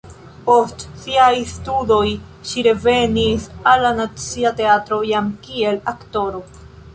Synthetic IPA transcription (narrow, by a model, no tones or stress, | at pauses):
po̞stsiajstudo̞j | ʃiɾe̞ve̞nisalːanat͡siate̞atɾo̞jamkie̞lakto̞ɾo̞